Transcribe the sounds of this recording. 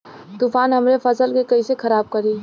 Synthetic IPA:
t̪ufaːnɦɐmɾefɐsəlkekɐisekʰɐɾaːb̚kɐɾiː

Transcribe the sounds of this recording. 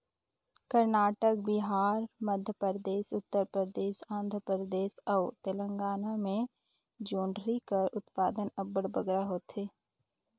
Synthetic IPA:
kəɾnaːʈək̚bɪɦaːɾməd̪ʱjəpəɾəd̪eːʃʊt̪ːəɾpɾəd̪eːʃãːnd̪ʱəpɾəɾəd̪eːʃɐʊt̪elə̃ŋɡaːnamẽ | d͡ʒoːɳɖɾikəɾʊt̪paːd̪ənəbəɽbəɡɾaɦoːt̪ɦeː

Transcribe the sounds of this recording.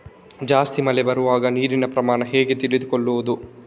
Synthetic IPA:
d͡ʒaːst̪imɐlebɐɾuʋaːɡɐniːɾinɐpɾɐmaːɳɐɦe̞ːɡet̪iɭid̪ukoɭːuʋɐd̪u

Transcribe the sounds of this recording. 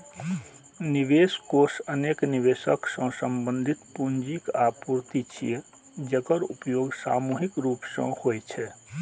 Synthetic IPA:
niʋeskosənekniʋesəksə̃səmbə̃nd̪ʱit̪pund͡ʒikapuɾt̪it͡ʃʰie | d͡ʒekəɾupjoɡsa̰muɦikɾuːpsə̰̃hojt͡ʃʰɛ

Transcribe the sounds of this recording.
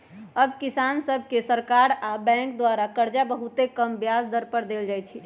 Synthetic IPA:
əbkisansəbʱkesəɾkaɾabɛ̃ŋk̚d̪waɾakəɾd͡ʒabəɦut̪ekəmbjazd̪əɾpəɾd̪eld͡ʒajt͡ʃʰi

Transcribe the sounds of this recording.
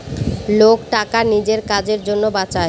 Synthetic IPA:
lokʈakanid͡ʑeɾkad͡ʑeɾd͡ʑonːobat͡ɕae

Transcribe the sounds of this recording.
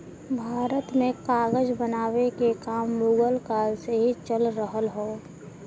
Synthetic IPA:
bʱaːɾət̪mẽkaːɡəd͡ʒbənaːʋekekaːmːuːɡəlkaːlseɦit͡ʃəlɾəɦəlɦoː

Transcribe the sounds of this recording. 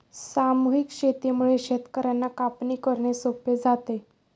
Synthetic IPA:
samuɦikɕet̪imuɭeɕet̪kəɾjanːakapniːkəɾɳesoped͡zat̪e

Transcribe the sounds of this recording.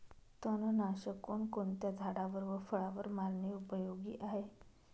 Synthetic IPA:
t̪ənənaɕəkoɳkoɳt̪jad͡zʱaɽaʋəɾʋəfəɭaʋəɾmaɾniupəjoɡiːʔaɦe

